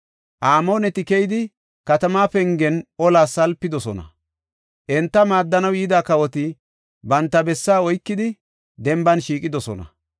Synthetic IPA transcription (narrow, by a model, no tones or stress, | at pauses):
ʔaːmoːnɛt̪ɪkɛjɪd̪ɪ | kɐt̪ɐmaːpɛŋɡɛnʔɔlaːsːɐlpːɪd̪ɔsɔnɐ̰ | ʔɛnt̪ːɐmaːd̪ːɐnɐwiːd̪aːkɐwɔt̪ɪ | bɐnt̪ːɐbɛsːaːɔjkːɪd̪ɪ | d̪ɛmbɐnʃiːkʼɪd̪ɔsɔnɐ̰